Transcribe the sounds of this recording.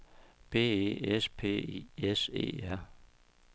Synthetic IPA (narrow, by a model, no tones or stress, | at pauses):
b̥e̝̰ːḛːespʰe̝̰ːiesḛːæɐ̰